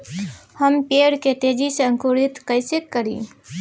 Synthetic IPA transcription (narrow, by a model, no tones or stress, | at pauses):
həmpeɽket̪ed͡ʒisəŋkuɾit̪kəɪsekːəɾḭ